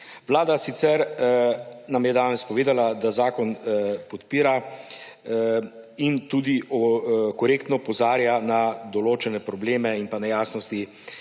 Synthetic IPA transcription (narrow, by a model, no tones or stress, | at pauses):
ʋlaːd̪asit̪sɛɾ | namjɛd̪aːnɛspɔʋeːd̪alad̪azaːkɔnpɔt̪piːɾa | int̪ud̪iʔɔkɔɾeːkt̪nɔpɔzaːɾjanad̪ɔloːt͡ʃɛnɛpɾɔbleːmɛinpanɛjaːsnɔst̪i